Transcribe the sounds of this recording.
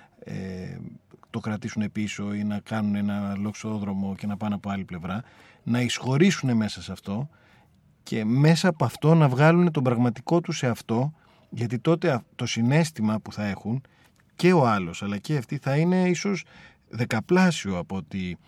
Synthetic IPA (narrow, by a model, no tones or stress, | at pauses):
ḛ | t̪o̞kɾɐt̪isune̞piso̞inɐkɐnune̞nɐlo̞kso̞ðɾo̞mo̞cenɐpɐnɐpo̞ɐliple̞vɾɐ | nɐisxo̞ɾisune̞me̞sɐsɐft̪o̞ | cʰe̞me̞sɐːpoɐft̪o̞nɐvɣɐlune̞t̪o̞bɾɐɣmɐt̪iko̞t̪use̞ɐft̪o̞ | ʝɐt̪̬it̪o̞t̪e̞t̪o̞sine̞st̪imɐpuθɐe̞xun | ce̞o̞ɐlo̞sɐlɐceɐft̪iθɐine̞iso̞z | ðe̞kɐplɐsioɐpoo̞t̪i